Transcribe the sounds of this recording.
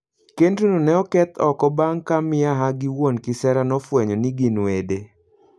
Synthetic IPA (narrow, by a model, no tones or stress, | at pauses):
kendunonɛɔkɛt̪ɔkɔbaŋkamɪaɦaɡɪwonkɪsɛɾanɔfwɛɲɔniɡinwede